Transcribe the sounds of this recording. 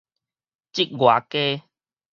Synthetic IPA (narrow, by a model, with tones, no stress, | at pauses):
t͡ɕi˦k̚ɡwa˨˩ke˦